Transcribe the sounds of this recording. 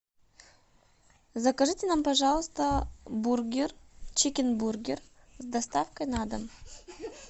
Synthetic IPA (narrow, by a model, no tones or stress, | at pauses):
zɐkɐʐɨtʲɪnampɐʐɑlˠəst̪əburɡʲɪrt͡ɕekʲɪnburɡʲɪr | zd̪ɐst̪afkəjnad̪əm